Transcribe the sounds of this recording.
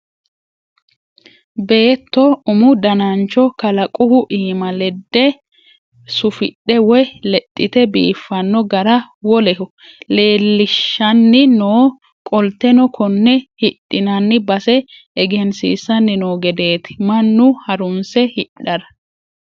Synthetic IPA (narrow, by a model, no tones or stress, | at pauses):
be̞ːt̪ːɔʊmʊd̪ɐnɐnt͡ʃɔkɐlɐkʼʊhʊʔiːmɐlɛd̪ːɛ | sʊfɪɗɛwɔjlɛt̪ʼːɪt̪ɛbḭːfːɐnːɔɡɐɾɐ | wɔlɛhʊ | le̞ːlːɪʃːɐnːɪnoː | kʼɔlt̪ːɛnɔkʰɔnːɛhɪt̪ʼːɪnɐnːɪbɐsɛː | ɡɛnsḭːsɐnːɪnoːɡɛd̪e̞ːt̪ɪ̥mɐnːʊhɐɾʊmsɛhɪᶑːɐɾɐ